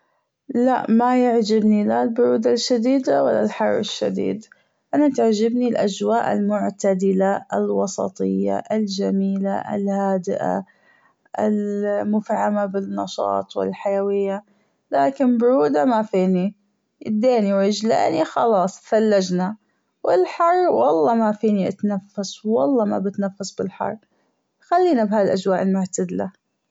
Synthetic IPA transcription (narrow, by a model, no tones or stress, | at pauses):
la̰ʔmajaʕd͡ʒɪbnilalbʊɾuːd̪alʃad̪iːd̪awalːa̰lħɑrˤːɪʃːa̰d̪ḭːd̪ | ʔanat̪aʕd͡ʒɪbnilʔad͡ʒwaːʔɪlmʊʕt̪ad̪ɪlaɪlwɑsˤɑ̰t̪ˤɨjːa̰ʔɪld͡ʒamiːla̰ʔɪ̰lhaːd̪ɪʔa̰ | ʔɪ̰lmʊfʕamabɪnːɑʃɑ̰ːt̪ˤwɪ̰lħajawɪjːa | laːkɪnbɾuːd̪amafiːni | jɪ̰d̪ːeːniwʕɪd͡ʒla̰ːnixɑ̰lɑːsˤfalːad͡ʒna | wɪlħɑrˤːwɑlˤːɑːmafiːniʔat̪nafːaswɑlˤːɑːma̰bɪt̪nafːasbɪlħɑ̰rˤː | xalːiːnabhaːd̪ilʔad͡ʒwaːʔɪlmʊʕt̪ad̪la